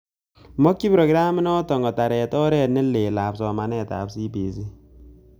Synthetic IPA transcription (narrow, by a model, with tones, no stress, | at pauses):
mɔ˦kːi˦pɾɔ˨ki˦ɾa˦mi˦nɔ˦tɔ˨ŋɡɔ˨ta˨ɾɛ˨tɔ˦ɾɛ˦˨t̚ne˦le˨la˨psɔ˨ma˨nɛ˦ta̰˨psi˦bi˨si˦